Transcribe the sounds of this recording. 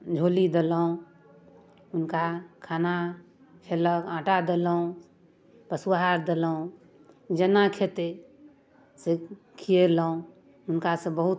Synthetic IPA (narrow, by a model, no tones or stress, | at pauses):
d͡ʒʱoːlid̪elã | ʊnkakʰaːna | pʰeləãːʈad̪elaũ | pəsuwaɦaɾd̪elaũ | d͡ʒənakʰet̪e | se | kʰijelaũ | ʊnkasebəɦʊt̪